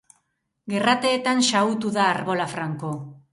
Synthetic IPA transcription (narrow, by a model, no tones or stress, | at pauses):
ɡe̞rat̪e̞ːt̪ansaut̪uðaːɾβo̞lafɾaŋko̞